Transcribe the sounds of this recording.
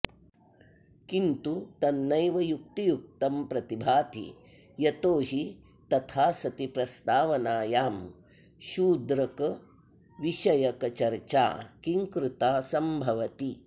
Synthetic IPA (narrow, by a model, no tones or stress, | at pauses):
kint̪ut̪ɐnːɐjʋɐjuk̚t̪ijuk̚t̪ɐmpɾɐt̪ibʱaːt̪ḭ | jɐt̪oːɦi | t̪ɐt̪ʰaːsɐt̪ipɾɐst̪aːʋɐnaːjaːm | ʃuːd̪ɾɐkɐ | ʋiʃɐjɐkɐt͡ʃɐɾt͡ʃa̰ːkiŋkɾut̪aːsɐmbʱɐʋɐt̪i